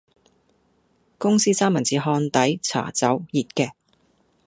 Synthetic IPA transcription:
kʊ˥ŋsiː˥t͡saː˥mɐ˨˩nt͡siː˨˧ɦɔː˧nt̪ɐ˨˥jt͡sʰa̰ː˨˩t͡sɐ˨˥wjiː˨t̚kɛː˧

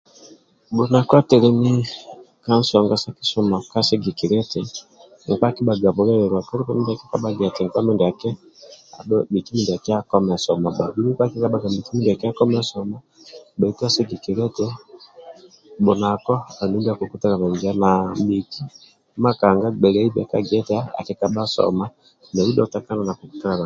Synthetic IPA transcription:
bo˨na˨kɔ˦a˦tɛ˨ɾɛ˦ni˦ | ka˦n̩˦sɔ˨ŋɡa˦sa˦ki̥˦sɔ˦ma˨ka˦sɛ˦ɡi˨ki˨ɾɛ˦tɛ˨ | ŋ̩˨k͡pa˦ki˦ba˨ɡa˨βɔ˨˦ɾɛ˦ɾɛ˨ɾwa˨kɔ˦ɾi˦pa˦mɛ˦nda˨kɛ˦ka˦ɓa˦ɡɛ˨a˨tɛ˨ŋ˨k͡pa˦mɛ˦nda˨kɛ˦a̰˨ɗɔ˦bi˨ki˦mi˦nda˨ki˦a˦kɔ˦mɛ˨sɔ˨ma˨ba˨bu˦ɾi˦k͡pa˦ki˦ka˦ɓa˨ɡa˨mbi˨ki˦mi˦nda˨kɛ˦a˦kɔ˦mɛ˦sɔ˨mɔ˦ | ɓɛ˨i˦ta˦sɛ˦ɡi˨ki˨ɾɛ˦tɛ˦ | ɓɔ˨na˨kɔ˦a˨nu˨˦mbi˦a˨ko˨ku˦ta˦ɾa˨mɛ˨ɲd͡ʒa˦na˨mbi˨ki˦ | ma˦ka˨ŋɡa˦ɡ͡bɛ˨lɛ˨˦i˦bɛ˨ka̰˨ɡɛ˦tɛ˦a˦a̰˨ki˨˦ka˨ɓa˦sɔ̰˨ma˦ | nɛ˨u˦dɔ˦˨ta˨ka˦na˨na˨ko˨ku̥˦ta˦ɾa˨ɾa˨

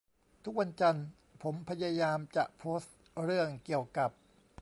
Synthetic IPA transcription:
t̪ʰu˦˥k̚wa˧nt͡ɕa˧n | pʰo˩˦mpʰa˧jaː˧jaː˧mt͡ɕa̰˨˩ʔpʰoː˦˥st̪̚ɾɯ˥˩əŋki˨˩əwka˨˩p̚

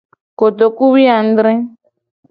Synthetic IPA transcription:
ko˨t̪o˨ku˦βi˦a˨n˦d̪ɾɛ̃˦

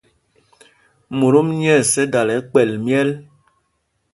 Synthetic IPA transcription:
mu˨ɾo˦mɲɛ˦˨sɛ˦da˨lɛ˨˦k͡pɛ˨lmjɛ˦l

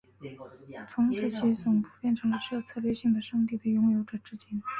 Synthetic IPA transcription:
t͡sʰʊ˧˥ŋt͡sʰɹ̩˥˩t͡ɕʰi˧˥t͡sʊ˨˩ŋpu˨˩pjɛ˥˩nʈ͡ʂʰɤ˧˥ŋlə˧ʂʰɤ˥˧t͡sʰɤ˥˧lɥɛ˥˧ɕi˥˩ŋd̪ə˩ʂɑ˥˧ŋt̪̬i˥˩d̪ə˩jʊ˥ŋjo˧˥ʊʈ͡ʂɤ˨˩ʈ͡ʂɻ̩˥t͡ɕi˥n

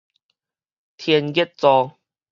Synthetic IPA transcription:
t̪ʰjɛ˧nɡi˦˥t̚t͡sɔ˧

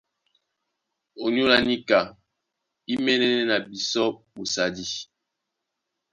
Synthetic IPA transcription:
o˨ɲu˦la˨ni˦ka˨ | i˦mɛ˦nɛ˦nɛ˦na˨bi˨sɔ˦bu˨sa˨di˦

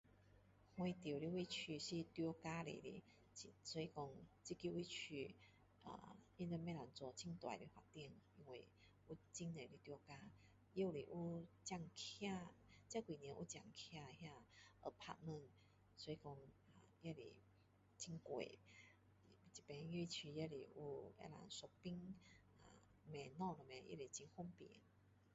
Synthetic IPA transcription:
hwẽ˧˦t̪ji˨˩˨li˧wi˥˧t͡ɕʰy˧ɕi˧t̪jɔ˧ka˦lḛ˨lḭ˨˦ | t͡ɕi˨sɔ˧i˧kɔ˧ŋt͡ɕi˦˧ki˧wi˦˧t͡ɕʰy˧ | a̰˨˩i˧˦nt͡sə˧mẽ˦˧la˨nt͡swɔ˧˩t͡ɕʰi˦ŋt̪wa̰˨li˧˦hwa˨˩t̪jŋi˧ŋwe˨˩ | u˦t͡ɕi˦nne˨li˦˧t̪jɔ˧ka˦ | je˦˨wlḭ˨ʔu˦t͡ɕja˥˧ŋkʰja˥˧t͡ɕja˦ki˨njɛ̃˧˦ʔu˦t͡ɕja˨˧˩ŋkʰja˧hja˥˧ʔə̰˧pʰa̰˧mə̃˥˧˨n | swɔ˧i˧kɔ˧ŋ | a˨ja˦lḭ˨ | t͡ɕi˧˦ŋkwḛ˨˩˨ | t͡ɕi˨˩pẽ˧˦˧ji˧˥˧t͡ɕʰy˧ja˦lḭ˨˩ʔu˧˦ḛ˧la̰˨˦nso˧k̚pi˦ŋ | a̰˨ | mɛ̃˨˧nɔ̃˥˧nə˨mɛ̃˧jḛ˧˨li˨˩t͡ɕi˧ŋhɔ˦mpḭ˨˦n

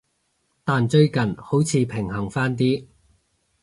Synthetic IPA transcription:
t̪aː˨nt͡ʃɵ˧ɥkɐ˨˩nho˨˥wt͡sʰiː˨˧pʰɪ˨˩ŋhɐ˨˩ŋfaː˥nt̪iː˥

